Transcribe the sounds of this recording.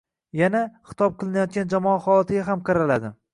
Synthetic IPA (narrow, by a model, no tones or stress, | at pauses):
janaχɨ̥t̪ʰɒp̚qʰɨlˠɪnajɒt̪̚ɡʲand͡ʒamɒaχɒjɒt̪ʰɪɡʲaɦamqʰɑɾalad̪ɪ